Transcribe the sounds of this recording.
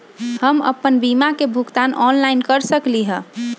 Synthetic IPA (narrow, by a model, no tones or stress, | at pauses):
həmə̰pːənbimakebʱuɡt̪anɔnlainkəɾsəkliɦə̃